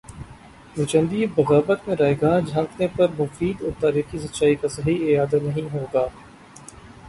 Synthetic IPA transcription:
nʊt͡ʃə̃nd̪ibɐɣaːbət̪mẽɾaːeɡaːd͡ʒʱãːkʰnepɐɾmʊfiːd̪ɔːɾt̪aːɾiːxis̬ɐt͡ʃaːikasɐɦiɪaːd̪anɐɦĩɦoːɡaː

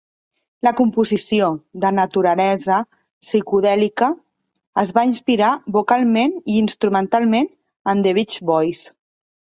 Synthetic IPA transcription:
ləkumpuzisioðənət̪uɾəlɛzə | sikuðɛlikə | əzβainspiɾaβukalˠmeniinst̪ɾumənt̪alˠmen | ənd̪eβit͡ʃβɔjs

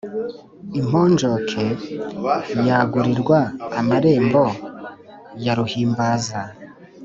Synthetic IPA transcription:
im̥oːnd͡ʒokʰe | jaːɡuɾiɾɡwaːmaɾe̞ːmbo̞ | jaɾuhiːmbaːza

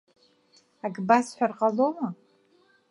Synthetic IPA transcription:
aɡʼbasħʷᶣarqʼaloma

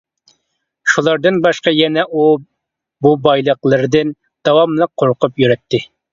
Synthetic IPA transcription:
ʃulˠɑɾd̪ɨnbɑʃqɑjɛnɛʔu | bubɑjlˠəqlˠɨɾɨd̪ɨn | d̪̥ɑwɑmlˠəq̚ʰːoɾqʊpjyɾɛt̪ʰːɪ

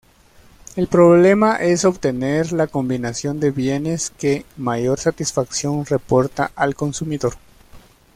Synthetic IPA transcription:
e̞lpɾo̞βle̞maʔe̞so̞βt̪e̞ne̞ɾlako̞mbinasjo̞nd̪e̞βje̞ne̞ske̞maʝo̞ɾsat̪isfaksjo̞nre̞po̞ɾt̪a̰ʔalko̞nsumiðo̞ɾ

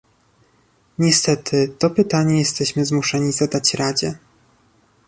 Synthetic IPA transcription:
ɲɛst̪ɛt̪ʰɘt̪ɔpɘt̪aɲɛjɛst̪ɛɕmɘzmuʂɛɲizad̪at͡ɕɾad͡ʑɛ̰

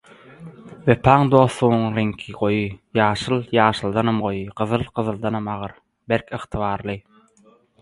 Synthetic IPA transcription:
vepʰɑːŋd̪o̞ːθluʁnuŋɾeŋkʰiʁo̞jɯjɑːʃɯlˠjɑːʃɯlˠd̪ɑnɑmɢo̞jɯɢɯðɯlˠqɯðɯlˠd̪ɑnɑmɑʁɯɾ | beɾkʰɯχt̪ʰɯβɑːɾlˠɯ

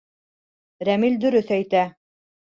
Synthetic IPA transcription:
ɾæmild̪ɵ̆ɾɵθæjt̪æ

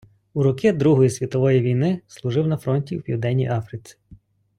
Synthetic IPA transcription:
uɾɔkid̪ɾuɦɔjisʲʋʲit̪ɔʋɔjiʋʲijnɪslˠʊʐɪwnɐfɾɔnʲtʲiwpʲḭwd̪ɛnʲːḭjʔɑfɾɪt͡ssʲi̥

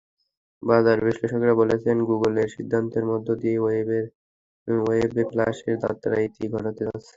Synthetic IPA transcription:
badaɾbiʃleʃokɾabolet͡ɕʰenɡuɡoleɾʃid̪ʱːant̪eɾmɔd̪ʱːod̪iee | ebeplaʃeɾd̪a̰t̪ːaɾait̪iɡʱɔʈat̪eat͡ɕʰe

